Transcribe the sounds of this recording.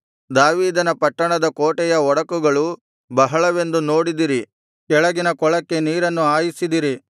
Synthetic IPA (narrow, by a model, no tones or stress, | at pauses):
d̪aːʋiːd̪ɐnɐpɐʈːɐɳɐd̪ɐkoːʈɛjɐɔɽɐkuɡɐɭu | bɐɦɐɭɐʋe̞nd̪unoːɽid̪iɾi | kɛɭɐɡinɐkɔɭɐkːe̞niːɾɐnːuaːjisid̪iɾi